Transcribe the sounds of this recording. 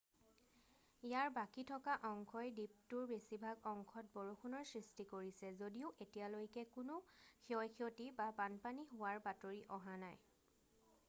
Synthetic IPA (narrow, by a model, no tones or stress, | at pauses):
ijaɹbakitʰɔkaʔɔŋkʰɔjdip̚tʊɹbesibʱaɡɔŋkʰɔt̚bɔɹukʰunɔɹsɹistikoɹisɛzodiʊʔetijalojkɛkʊnʊkʰiɔjkʰiotibapanpaniɦʊwaɹbatoɹiʔɔɦanaj